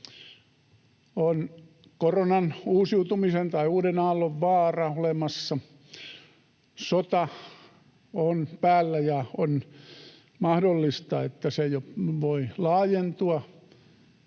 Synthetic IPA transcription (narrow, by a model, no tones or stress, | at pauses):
on | koronɑnuːsiut̪umisent̪ɑiuːdenɑːlːoʋʋɑːrɑolemɑsːɑ | sot̪ɑ | onpæːlːæjɑon | mɑhdolːist̪ɑet̪ːæsejoʋoilɑːjent̪uɑ